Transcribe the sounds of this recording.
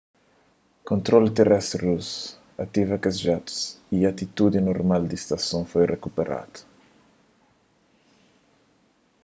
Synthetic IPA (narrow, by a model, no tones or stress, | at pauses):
kõnt̪ɾolt̪erɛst̪ɾrus | at̪ivɐkezʒat̪u̥siat̪it̪ud̪inoɾmald̪ist̪asõfojrekupeɾa̰t̪u̥